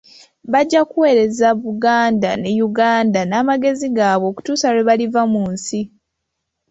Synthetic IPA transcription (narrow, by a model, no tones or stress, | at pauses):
βaɟːakuwe̞ːɾe̞zaβuɡaːndane̞juɡaːndanaːmaɡe̞ziɡaːβo̞ːku̥tuːsaweβalivamuːnsi